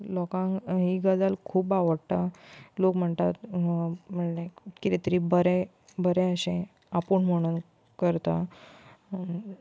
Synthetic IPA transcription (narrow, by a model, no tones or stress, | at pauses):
lɔkãŋɦiɡad͡zalkʰuːbaʋəɽʈalokm̤əɳt̪at̪ | m̤əɳnekɾet̪ɾibəɾɛ | bəɾẽəɕẽ | apuːɳm̤əɽ̃un | kəɾt̪a